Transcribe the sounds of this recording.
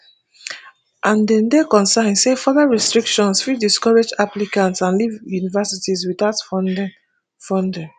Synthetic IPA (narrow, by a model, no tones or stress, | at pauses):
ʔãndɛ̃ndekɔ̃nsãɪ̃nsefɔðaɹɛstɹikʃɔ̃nsfidiskɔɹed͡ʒaplikãntsãnlivjunivasitizwiðaʊtf | fɔ̃ndɛ̃ŋ